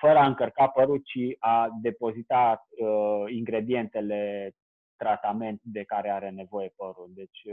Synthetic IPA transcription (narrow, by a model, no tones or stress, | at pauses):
fəɾəaɨŋkərkapəɾult͡ʃiad̪e̞po̞zit̪aəiŋɡɾe̞d̪ie̞nt̪e̞le̞ | t̪ɾat̪ame̞nt̪̚d̪e̞kaɾe̞aɾe̞ne̞vo̞je̞pəɾuld̪e̞t͡ʃʲ